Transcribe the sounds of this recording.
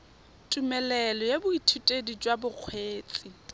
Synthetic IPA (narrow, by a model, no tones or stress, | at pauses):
tʼumɛlɛlɔjebʊitʰutʼedid͡ʒwabʊq͡χʰweːt͡sʼi